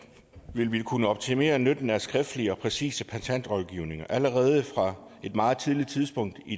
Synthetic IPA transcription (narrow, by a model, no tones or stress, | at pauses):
ʋe̝lʋikʰunəɒ̽b̥̚t͡sʰime̝̰ːɐnød̥n̩æɐsɡ̥ʁɛfd̥liəɒ̽pʰʁɛsḭːsəpʰæsʰæn̰d̥ʁɒlˠɡ̥iʊ̰ne̝ŋɐʔæləʁɛːð̞ˠəfʁɑ̈ | e̝d̥mɑ̈ːð̞̩ˠt͡sʰið̞ˠli̥t͡sʰið̞ˠsb̥ɔ̽ŋ̰d̥i